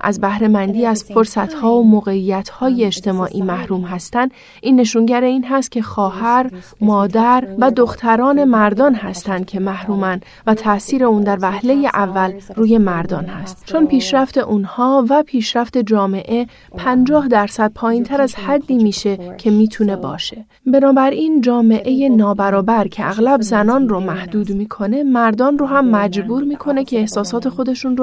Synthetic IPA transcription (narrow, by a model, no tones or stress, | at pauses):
ʔæ̰zbæhɾe̞mænd̪iːæzfoɾsæt̪ʰhɒːomoɣe̞ijːæt̪ʰhɒːje̞ːd͡ʒt̪ʰe̞mɒːʔiːmæhɾuːmɦæst̪ænd̪ | ʔiːnːe̞ʃuːŋɟæɾe̞iːnɦæst̪̚cʰʲe̞xɒːhæɾmɒːd̪æɾvæd̪o̞xt̪ʰæɾɒːne̞mæɾd̪ɒːnɦæst̪ænd̪̥̚cʰe̞mæhɾuːmæn | væt̪ʰæsiːɾe̞uːnd̪æɾvæhle̞je̞ʔævːælruːje̞mæɾd̪ɒ̰ːnhæst̪t͡ʃʰo̞npʰiːʃɾæft̪e̞ʔunhɒːvæpʰiːʃɾæft̪e̞d͡ʒɒːme̞ʔe̞ | pʰænd͡ʒɒːhd̪æɾsæd̪̥̚pʰɒːjiːnt̪ʰæɾæzhæd̪ːiːmiːʃe̞cʰe̞miːt̪ʰune̞bɒ̰ːʃe̞ | be̞nɒːbæɾiːnd͡ʒɒːme̞ʔe̞je̞nɒːbæɾɒːbæɾcʰe̞ʔæɣlæbzænɒːnromæhd̪uːd̪miːkʰo̞ne̞mæɾd̪ɒːnroːɦæmːæd͡ʒbuːɾmiːkʰo̞ne̞cʰe̞ːhsɒːsɒːt̪ʰe̞xo̞d̪e̞ʃunro